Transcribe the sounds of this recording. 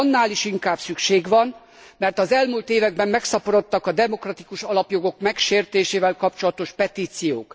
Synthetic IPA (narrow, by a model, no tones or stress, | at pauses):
nːaːliʃiŋkaːbsykʃeːɡʋɒn | mɛrt̪ɒzɛlmuːlt̪eːvɛɡ̚bɛmːɛksɒpoɾo̞t̪ːɒkɒd̪ɛmo̞krɒt̪ikuʃɒlɒpjo̞ɡo̞kmɛkʃeːrt̪eːʃeːvɛlkɒpt͡ʃolɒt̪o̞ʃpɛt̪iːt̪sijo̰ːk